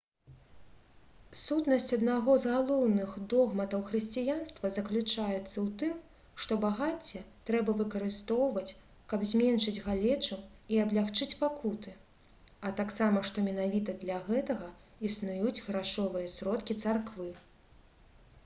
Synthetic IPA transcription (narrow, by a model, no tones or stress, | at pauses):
sut̪nɐsʲt͡sʲɐd̪naɣɔzɣalˠɔwnɨɣd̪ɔɣmɐt̪ɐwxrɨsʲt͡sʲijanst̪vɐzɐklʲut͡ʂajɛt̪sːɐwt̪ɨm | ʂt̪ɔbaɣat͡sʲːɛt̪ɾɛbɐvɨkɐɾɨst̪ɔwvɐt͡sʲ | kɐbzʲmʲɛnʂɨd͡zʲɣalʲɛt͡ʂuiɐblʲaxt͡ʂɨt͡sʲpakut̪ɨ | ɐt̪aksamɐʂt̪ɔmʲɛnavʲit̪ɐd̪lʲɐɣɛt̪ɐɣɐ | isnujud͡zʲɣɾaʂɔvɨjɐsɾɔt̪kʲit̪sarkvɨ